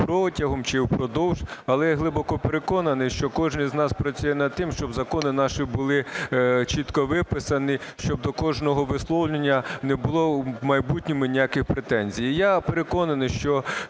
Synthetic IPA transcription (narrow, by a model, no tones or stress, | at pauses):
pɾɔtʲɐɦɔmt͡ʃɪwpɾɔd̪ɔwʒɐlˠɛjɦlˠɪbɔkɔpeɾekɔnɐnɪjʃt͡ʃɔkɔʒnɪjznɑspɾɐt͡sʲujɛnɐd̪̚t̪ɪmʃt͡ʃɔbzɐkɔnɪnɑʃɪbʊlˠɪt͡ʃit̪kɔʋɪpɪsɐnɪʃt͡ʃɔb̚d̪ɔkɔʒnɔɦɔʋɪslˠɔwlʲenʲːɐnɛbʊlˠɔmɐjbutʲnʲɔmɪnʲijakɪxpɾet̪ɛnʲzʲijijapeɾekɔnɐnɪʃt͡ʃɔ